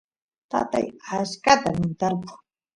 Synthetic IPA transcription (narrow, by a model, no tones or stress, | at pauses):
t̪a̰t̪a̰jaskat̪amɪnt̪aɾkʊ̥ŋ